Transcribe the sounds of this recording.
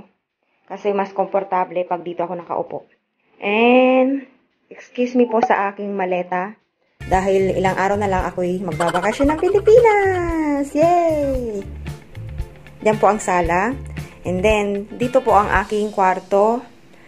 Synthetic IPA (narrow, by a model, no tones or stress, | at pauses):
kɐsɛmaskompoɾt̪ablɛpɐɡ̚d̪iːt̪oɐko̞nɐkɐ̰ʔopo̰ʔ | ʔɛnd̪ | ʔɛkskjusmɪpo̞sɐ̰ʔaːkɪŋmɐlɛːt̪ɐ | d̪aːɦɪlɪ̰laŋʔaːɾɐwnɐlɐŋʔɐkojmɐɡ̚babɐkɐsjonːɐŋpɪlɪpiːnasjɛs | d͡ʒanpo̞ʔɐŋsaːlaʔɛnd̪ɛnd̪iːt̪o̞po̞ʔɐŋʔa̰ːkɪŋkwaɾt̪o̞